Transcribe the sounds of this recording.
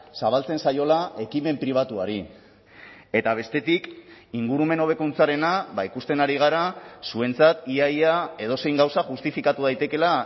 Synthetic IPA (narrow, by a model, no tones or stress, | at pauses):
saβ̞alt͡se̞nsajo̞lae̞kime̞mpɾiβ̞at̪uaɾi | e̞t̪aβ̞e̞st̪e̞t̪ikiŋɡuɾume̞no̞β̞e̞kunt͡saɾe̞naβaikust̪e̞naɾiɣ̞aɾasue̞nt͡sat̪iajae̞ð̞o̞se̞jŋɡawsaʝust̪ifikat̪uðajt̪e̞ke̞la